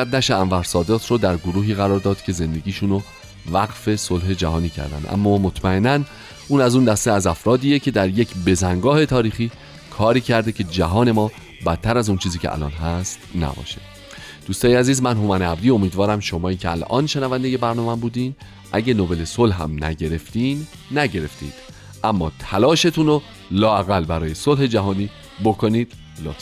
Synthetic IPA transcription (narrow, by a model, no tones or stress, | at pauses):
æd̪̚næʃeæɱvæɾsɒːd̪et̪ʰɾod̪æɾɡoɾuːɦiːɣæɾɒːɾd̪ɒːd̪̥cʰe̞ze̞nd̪e̞ɡiːʃuno | væɡfe̞solɦe̞d͡ʒæɦɒːniːcʰæ̰ɾd̪æ̰nd̪ʔæ̰mːɒːmot̪ʰmæe̞nːæn | uːnæzund̪æst̪eæzæfɾɒːd̪iːje̞cʰe̞d̪æɾje̞cʰbe̞zæŋɡɒːhe̞t̪ʰɒːɾiːxiː | kʰɒːɾiːcʰæɾd̪e̞cʰe̞d͡ʒæɦɒːne̞mɒː | bæt̪ʰːæɾæzunt͡ʃʰiːziːcʰʲeʔæ̰lɒ̰ːnɦæst̪næ̰bɒ̰ːʃe | d̪̥uːst̪ɒːjeæziːzmænɦomæneæbd̪iːo̞miːd̪vɒːɾæmʃo̞mɒːiːcʰeæ̰lʔɒ̰ːnʃe̞nævænd̪e̞je̞bæɾnɒːmæmbuːd̪iːn | ʔæɟenobe̞le̞solɦæ̰mnæ̰ɟe̞ɾe̞ft̪iːnː | æɟe̞ɾe̞ft̪ḭːnd̪̥ | ʔæmːɒ̰ːt̪ʰælɒːʃe̞t̪ʰuːno | lɒːæɣælbæɾɒːje̞solhe̞d͡ʒæɦɒːniː | bokʰo̞niːd̪̥ | lo̰t̪